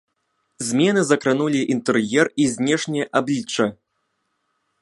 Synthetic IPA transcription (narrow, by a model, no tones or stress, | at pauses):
zʲmʲɛnɨzɐkɾanulʲiʔint̪ɨrjɛrizʲnʲɛʂnʲɛjɐʔablʲit͡ʂːɐ